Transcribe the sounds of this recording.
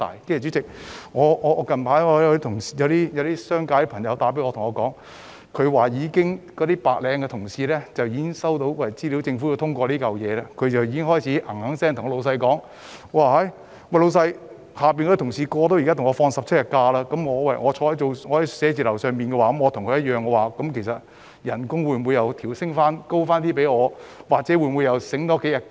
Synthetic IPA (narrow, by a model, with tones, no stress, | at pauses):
t̪a̰ː˨˩jkɪ˥jɛ˨˩t͡ɕy˨˥t͡sɪ˨k̚ŋɔː˨˧ɔː˧kɐ˨˩npʰaː˨˥ɔː˨˧˥jt̪ʰʊ˨˩ŋsi̥ː˨˧˩jɐ˨˧wt̪iː˥jɐ˨˧wt̪iː˥sœː˥ŋkaː˨˧˥jpʰɐ˨˩ŋjɐ˨˧wt̪aː˨˥pe˨˥ŋɔ˧t̪ʰʊ˨˩ŋɔː˨˧kɔː˨˥ŋ | kʰɵ˨˧ɥwaː˨jiː˨˧kɪ˥ŋkɔː˨˥t̪iː˥paː˨˧k̚lɛː˨˧ŋkɛ˧t̪ʰʊ˨˩ŋsiː˧lɛː˥t͡sɐ˨wjiː˧˥kɪ˥ŋsɐ˥wt̪o˨˧˥wwɐ˨˩t͡siː˥li˨˥wt͡sɪ˧ŋfu˨˧˥jo˧wt̪ʰʊ˥ŋkʷɔː˧liː˥kɐ˨wjɛː˨˧laː˥kʰɵ˨˧ɥt͡sɐ˨wjiː˧ɪ˥ŋɦɔː˥jt͡sʰiː˨˥ʔɐ˨˩ŋhɐ˨˥ŋsɛː˥ŋt̪ʰŋ˧lo˧wsɐ˧jkɔː˨˥ŋ | waː˨˧ɦɐ˨˥j | wɐ˧lo˨˧wsɐ˧j | haː˨˩p̬iː˨nkɔ˧˥t̪ʰʊ˨˩ŋsiː˨˧kɔː˧t̪o˥wji˨ka˥t̪ʰŋɔː˨˧fɔː˧ŋsɐ˨p̚t͡sʰɐ˥t̚jɐ˨t̚kaː˧laː˥kɐ˨˥mŋɔː˨˧wɐ˨jŋɔː˨˧t͡ʃʰɔː˧˥ɐ˨˥jt͡so˨wŋɔː˨˧hɐ˨˥jsɛː˨˧t͡siː˨lɐ˨˩wsœː˨ŋpiː˨nkɛ˧waː˨˧kɐ˨˥mŋɔː˨˧t̪ʰʊ˨˩ŋkʰɵ˧jɐ˥t̚jœː˨˩ŋkɛ˧waː˨kɐ˨˥mkʰe˨˩jsɐ˨t̚ | jɐ˨˩nkʊ˥ŋwuː˨˧nmwu˨˧jɐ˧wt̪ʰiː˨˩wsɪ˥ŋfaː˥nko˥wfaː˥nt̪iː˥pe˨˥jŋɔː˨˧waː˨t̚t͡sɛ˨˥wu˨˧nmwu˨˧jɐ˨˧wsɪ˨˥ŋt̪ɔː˥ke˨˥jɐ˨˩